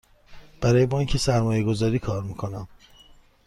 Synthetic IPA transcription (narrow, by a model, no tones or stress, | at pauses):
b̥æɾɒːje̞bɒːiɲcʰesæɾmɒːje̞ɡo̞zɒːɾiːkʰɒːɾmiːkʰo̞næm